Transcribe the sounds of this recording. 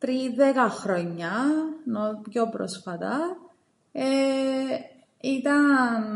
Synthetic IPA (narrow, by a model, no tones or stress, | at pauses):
t̪ɾiðekɐxɾoɲːɐnopjopɾo̰sfɐt̪ɐ | e | it̪ɐn